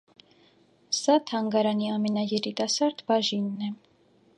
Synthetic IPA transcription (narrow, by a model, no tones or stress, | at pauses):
sɑt̪ʰɑŋɡɑɾɑniɑmɛnɑjɛɾit̪ɑsɑɾd̪bɑʒinːɛ